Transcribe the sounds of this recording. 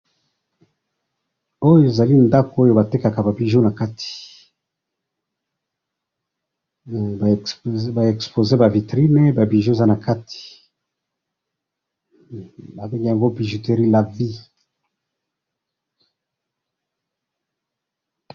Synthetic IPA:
o˦jo˦e˨za˨li˦nda˦ko˨˦o˦jo˦ba˨te˦ka˨ka˨ba˨bi˨ʒu˦na˨ka˦tʰi̥˨ | ba˨ɛ˨kspo˨ze˦ba˨vi˨tʁi˦ne˦ba˨bi˨ʒu˦e˨za˦na˨ka˦tʰi̥˨ | ba˨be˦ŋɡe˦ja˨ŋɡo˦bi˨ʒu˨te˨ʁi˦la˨vi˦

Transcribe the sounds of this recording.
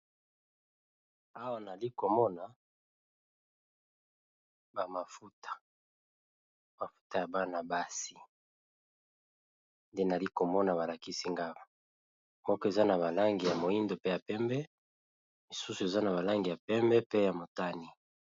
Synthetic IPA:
a˦wa˨na˨li˦ko˨mɔ˦na˨ | ba˨ma˨fu˦tḁ˨ | ma˨fu̥˦ta˨ja˨ba˦na˨ba˦si˦ | nde˦na˨li˦ko˨mɔ˦na˨βa˨la˨ki˦si˦ŋɡa˦ba˨ | mɔ˦kɔ˦e˨za˦na˨βa˨la˦ŋɡi˨ja˨mo˨i˦ndo˨pe˦ja˨pɛ˦mbɛ˦ | mi˨su˦su˨e˨za˦na˨βa˨la˦ŋɡi˨ja˨pɛ˦mbɛ˦pe˦ja˨mo˨ta˦ni˨

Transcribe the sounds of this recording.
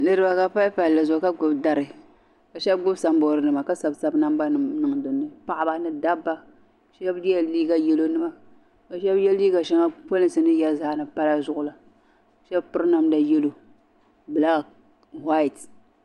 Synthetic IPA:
nɨ˦ɾɨ˦ba˦ka˦pa˦lpa˨llɨ˨zʊ˨˦ka˦ɡʊ˨bda˨ɾɨ˨ | ka˨ʃɛ˦bɡʊ˦bsa˨mbɔ˨ɾɨ˨nɨ˨ma˨ka˦sa˨bsa˨bna˦mba˦nɨ˨nɨ˨ŋ˨dʊ˨nːɨ˨pa˨ʔa˦ba˨nɨ˨da˦bːa˦˨ | ʃɛ˦bdi˦ɛ˨liː˦ɡa˦jɛ˦lo˦nɨ˦ma˦ | ka˨ʃɛ˦bjɛ˦liː˦ɡa˨ʃɛ˦ŋa˦po˦lɨ˦n˨sɨ˨nɨ˦ja˦zaː˦nɨ˨pa˦la˦zʊ˦ʔʊ˨la˨ | ʃɛ˦bpɨ˦ɾɨ˦na˦mda˨jɛ˦lo˨ | bɨ˨la˦˨ | ha˦i˨t

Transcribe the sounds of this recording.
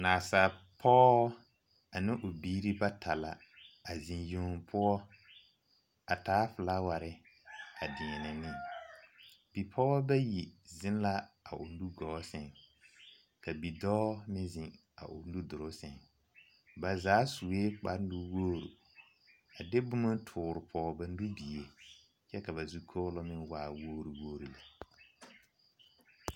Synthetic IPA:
naː˨sa˨ | pʰɔ˦ | a˨nɪ̃˦ʔʊ˨biː˦ɾi˦ba˦tʰa˨la̰˨ | a˨zɪ̃˨njoː˨˦˨ŋpʰʊ˦ɔ˦ | a˨taː˨˦fʊ˨la˦wa˨ɾɪ˦a˨dɪ˨ɲɛ˨nɛ˨nɪ˦ | b̥i˨pʰɔ˦bɛ˦ji˨zɪ̃˦n˦la˦a˨ʔʊ˨ndu˦ɡɔː˨˦sɛ˨ŋ | ka˨bi˨dɔː˦mɪ̃˦zɪ˨ŋ | a̰˨ʔʊ̰˨n˦du˦dʊ˨ɾʊ˦sɛ˨ŋ | ba˨zaː˨˦su˨e˦k͡pa˦n˦du˦woː˦˨ɾṵ˨ | a˨de˦bʊ˦ma˦tʰʊː˨ɾɪ˨pʰɔː˨˦˨ba˨n˦du˦bi˨e˨ | t͡ʃɛ˦ka˨βa˨zu˦kʰo˦lɔ˦mɪ˦nwaː˦˨woː˦ɾu˨woː˦ɾi˨la˨

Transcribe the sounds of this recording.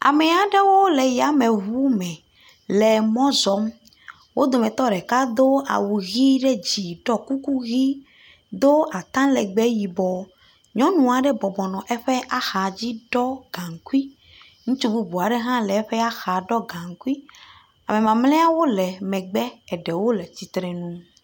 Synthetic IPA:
a̰˨mɛ˨a˨ɖe˦wo˦lɛ˨ja˨mẽ˨ɦu˦mɛ̃˨ | lɛ˨mɔ̃˦zɔ˨˦m | wʔo˦d̪o˨mɛ̃˨t̪ɔ˦ɖɛ˨ka˦d̪o˦a̰˨wu˨ɣi˦ɖe˦d͡ʑi˨ɖɔ˦ku˦ku˦ɣi˦ | d̪o˦ʔa˨t̪ã˦lɛ˨ɡ͡bɛ˦ji˨bɔ˨ | ɲɔ̃˦nũ˨a˨ɖe˦bɔ˨bɔ˨nɔ̃˨ʔɛ˦ɸɛ˦ʔa˦xa˨d͡ʑi˦ɖɔ˦ɡã˨ŋku˦i˦ | ŋũ˦t͡ʃu˦bu˦bu˨a˨ɖe˦ɦã˦lɛ˨ɛ˦ɸɛ˦a˦xa˨ɖɔ˦ɡã˨ŋku˦i˦ | a̰˨me˨mã˨mlɛ̃˦a˦wo˦lɛ˨mɛ̃˨ɡ͡bɛ˦ɛ˨ɖɛ˨wo˦lɛ˨t͡ɕi˨t̪ɾe˨nũ˦

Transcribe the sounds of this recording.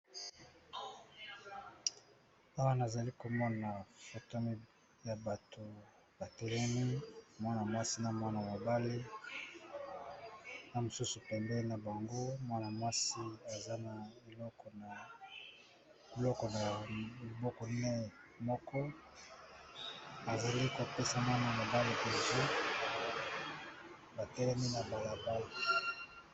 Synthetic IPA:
a˨wa˦na˨za˨li˦ko˨mɔ˦na˨fo˨to˦m˦ | ja˨ba˨tʰo˨ | ba˨tɛ˨lɛ˦ni˦mwa˦na˨mwa˦si˦na˨mwa˦na˨ma˨ba˦le˦ | na˨mo˨su˦su˨pɛ˨mbɛ˦na˨ba˨ŋɡo˦mwa˦na˨mwa˦si˦a˨za˦na˨e˨lɔ˦kɔ˨na˨ | e˨lɔ˦kɔ˨na˨li˨bɔ˦kɔ˨˦nɛ˦˨ | mɔ˦kɔ˦ | a˨za˨li˦ko˨pe˦sa˨mwa˦na˨ma˨ba˦le˦ke˨zo˦ | ba˨tɛ˦lɛ˦mi˦na˨ba˨la˨ba˦i˨

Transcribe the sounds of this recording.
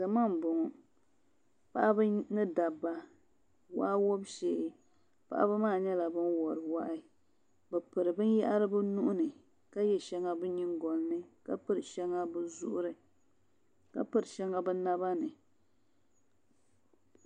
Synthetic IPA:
da˨ma˦˨m˨bʊ˨ŋɔ˨ | pa˨ʔa˦bɨ˦nɨ˦da˨bːa˨ | wa˦wo˦bʃeː˨ʔɪ˦ | pa̰˦˨ʔa̰˦bɨ˦maː˦˨ɲɛ˦la˨bɨ˦nwɔ˨ɾɨ˨wa˦ʔɪ˦ | bɛ˨pɨ˨ɾɨ˨bɨ˦nja˦ʔa˦ɾɨ˦bɨ˦nu˦ʔʊ˦nɨ˨ | ka˦jɛ˦ʃɛ˦ŋa˦bɨ˦ɲi˦ŋɡɔ˨nː˦ɨ˦ka˦pɨ˦ɾɨ˨ʃɛ˦ŋa˦bɨ˦zʊ̰˦ʔʊ˦ɾɨ˨˦ | ka̰˦pɨ˨ɾɨ˨ʃɛ˦ŋa˦bɨ˦na˦ba˦nɨ˨

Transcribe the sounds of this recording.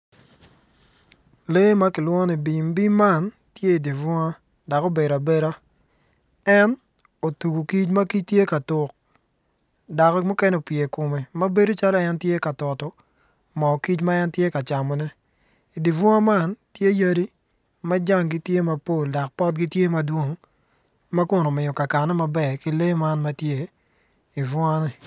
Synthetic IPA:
le˦ma˦kɪ˨lwɔ˦ni˨bi˨mbi˦ma˦˨n | tje˦i˨di˨vɔ˦ŋa˦ | da˨ko˦be˨ɾa˨be˦ɾa˦ | ɛ˦n | o˨tu˨ɡu˨ki˦t͡ʃmɐ˦ki˦t͡ʃtje˦ka˨tʊ˨k̚ | da˨kmu˦kɛ˦no˦pje˨ko˨me˨mɐ˦be˦do˦t͡ʃa˦lɔ˦ɛ˦ntje˦ka˨tɔ˨tɔ˨ | mɔ˨ki˦t͡ʃma˦ɛ˦ntje˦ka˨t͡ʃa˨mɔ˨nɛ˦ | i˨di˨vʊ˦a˦ma˦˨ntje˦ja˦di˦ | mɐ˦d͡ʒa˦˨ŋɡi˦tje˦ma˨po˦˨lda˨k̚pɔ˦t̚ɡi˦tje˦mɐ˨dwo˦ŋ | ma˦kʊ˨no˨mɪ˨jo˨ka˨ka˨nɛ˦ma˨bɛ˦˨ki˦le˦ma˦nma˦tje˦ | i˨vʊ˦a˦nɛ˨

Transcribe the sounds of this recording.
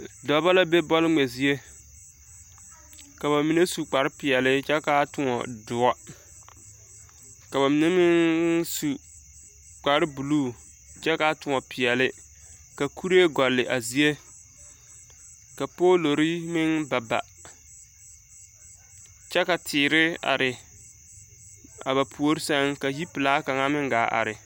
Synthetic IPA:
dɔ˨˦ba˦la˦be˦bɔ˦lɪ˦ŋ͡mɛ˨zi˨e˦ | ka˨ba˨mi˨ne˦su˨k͡pa˨ɾɪ˦pɪ˨ɛ˨lɪ˦t͡ʃɛ˦ka˦tʊ˨ŋɔ̰˨dʊ˨a˦ | ka˨ba˨mi˨ne˦mɪ˦ŋsu˨ | k͡pa˨ɾɪ˦bu˨luː˦˨ | t͡ʃɛ˦ka˦tʊ˨ŋɔ˨pʰɪ˨ɛ˨lɪ˦ | ka˨kʰu˦ɾe˦ɡɔ˨lːɪ˨ʔa˨zi˨e˦ | ka˨po˦lo˨ɾi˦mɪ˦ŋba˨ba̰˨ | t͡ʃɛ˦ka˨tʰɪː˨ɾɪ˦a̰˨ɾɪ˨ | a̰˨ba˨pʰu˨o˦ɾɪ˦sa˦ŋka˨ji˦pɨ˨laː˦ka˨ŋa˦mɪ˦ŋ˦ɡa̰ː˨˦ʔa̰˨ɾɪ˨

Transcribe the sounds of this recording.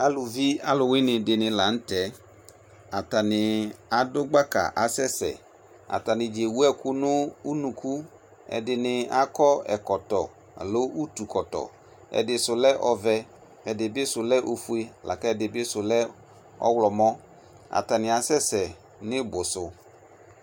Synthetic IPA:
a˨lʊ˨vi˦a˦lʊ˨wɪ˦nɪ˨dɪ˨nɪ˨la˨n̩˦tɛ˨˦ | a˨ta˨nɪ˨a˨dʊ˦ɡ͡ba˦ka̰˨ʔa˨sɛ˦sɛ̰˨ | a̰˨ta˨nɪ˨d͡ʒe˨wu˦ɛ˦kʊ˦nʊ˦u˦nũ˨ku˦ | ɛ̰˨dɪ˨nɪ˨a˦kɔ˦ɛ̰˨kɔ˨tɔ˨ | a̰˨lo˦ʔu˦tu˨kɔ˨tɔ̰˨ | ɛ̰˨dɪ˨sʊ˨lɛ˦ʔɔ˨vɛ˦ | ɛ˨dɪ˨bɪ˦sʊ˨lɛ˦ʔo˨fu˨e˦˨lʔa̰˨ka˦ɛ˨dɪ˨bɪ˦sʊ˨lɛ˦ | ɔ̰˦wlɔ˨mɔ˦ | a̰˨ta˨nɪ˨a˨sɛ˦sɛ˨ | nɪ˦bʊ˨sʊ˨

